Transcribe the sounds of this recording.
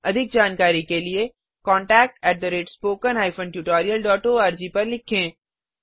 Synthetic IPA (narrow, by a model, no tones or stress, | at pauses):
ɐd̪ʱɪk̚d͡ʒaːnkaːɾikelie | kɔ̃ːɳʈɛːk̚ʈɛːʈ̚d̪əɾeːʈspoːkənɦaːɪfə̃ɳʈjuːʈɔːɾijəlɖɔːʈoːaːɾd͡ʒipɐɾlɪkʰẽː